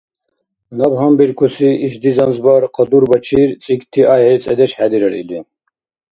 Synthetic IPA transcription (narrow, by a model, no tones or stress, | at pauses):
nɐbɦambiɾkʰusiːʃd̪izɐnzbaɾqʰəd̪uɾbɐt͡ʃʰiɾt͡sʼikt̪ʰiʔaɦɛt͡sʼɛ̰d̪ɛʃħæd̪iɾɐɾḭli